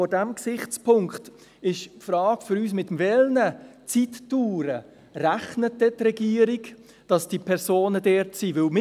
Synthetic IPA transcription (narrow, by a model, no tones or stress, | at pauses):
ɔdæmksɪχt͡spʊŋkχt | ɪʃpfɾɑːɡ̥fʏɾyːs̬mɪtmvɛlnət͡sitːuːɾə | ɾæχnət̚d̥ɛtrɛɡiːəɾiɡ | d̥ɑsd̥ipʰɛɾsoːnədɛɾtsiːvɪlm